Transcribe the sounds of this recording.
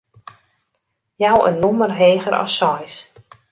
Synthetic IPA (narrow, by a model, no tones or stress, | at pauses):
jawə̰nːɔmərɦeːɣəɾʔɔ̰sɔjs